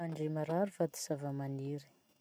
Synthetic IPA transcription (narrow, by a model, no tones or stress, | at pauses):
aɳɖ͡ʐemaɾaɾuvat̪i̥savamaniɾi̥